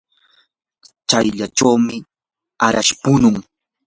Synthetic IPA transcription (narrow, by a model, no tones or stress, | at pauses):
t͡ʃajʎaʈ͡ʂawmɪ | aɾaʃpʊnʊŋ